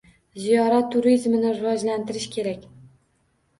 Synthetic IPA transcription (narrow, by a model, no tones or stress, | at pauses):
zijɒɾat̪ʰːʊɾizmɪnɪɾɪvɒd͡ʒlant̪ʰɪɾɪʃkʲʰe̞ɾakʲ